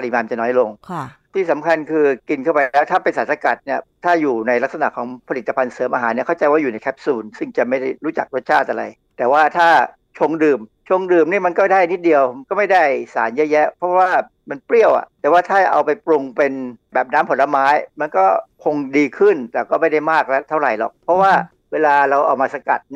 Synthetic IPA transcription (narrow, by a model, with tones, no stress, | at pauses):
pa˧li˨˩maː˧mt͡ɕa˨˩nɔː˦˥jlo˧ŋʰt̪ʰiː˥˩sa˩˦mkʰa˧nkʰɯː˧ki˧nkʰa˥˩wpa˧jlɛː˦˥t̪ʰaː˥˩pe˧nsaː˩˦nsa˧ka˨˩t̪̚ni˥˩ɐt̪ʰaː˥˩juː˨˩na˧jla˦˥k̚sa˧na˨˩kʰɔː˩˦ŋpʰa˧li˨˩t̪ːa˧pʰa˧nsɤː˩˦mʔaː˧ɦaː˩˦ni˥ɐkʰa˥˩wt͡ɕa˧jwaː˥˩juː˨˩na˧jk̪ʰɛ˦˥p̚suː˧nsɯ˥˩ŋt͡ɕa˨˩ma˥˩jda˥˩jɾuː˦˥t͡ɕa̰˨˩k̚ɾu˥˩ət̪̚t͡ɕʰaː˥˩ʔa˧ɾa̰˧j | t̪ɛː˨˩waː˥˩t̪ʰaː˥˩ | t͡ɕʰo˧ŋdɯː˨˩m | t͡ɕʰo˧ŋdɯː˨˩mniː˥˩ma˧nkɔː˥˩da˥˩˧ni˦˥t̪̚di˧əwkɔː˥˩ma˥˩jda˥˩jsa̰ː˩˦njɛ˦˥jɛ˦˥pʰɔ˦˥waː˥˩ | ma˧npli˥˩əwʔa̰˨˩ʔt̪ɛː˨˩waː˥˩t̪ʰaː˥˩ʔa̰˧wpa˧jpɾu˧ŋpe˧nbɛː˨˩p̚naː˦˥mpʰo˩˦nla˧maː˦˥jma˧nkɔː˥˩kʰo˧ŋdiː˧kʰɯ˥˩nt̪ɛː˨˩kɔː˥˩ma˥˩jda˥˩jmaː˥˩k̚lɛ˦˥t̪ʰa˥˩wɾa˨˩jlɔ̰˨˩k̚pʰɾɔ˦˥waː˥˩ | weː˧laː˧ɾa˧wʔa˧wmaː˧sa˧ka̰˨˩t̪̚ni˥˩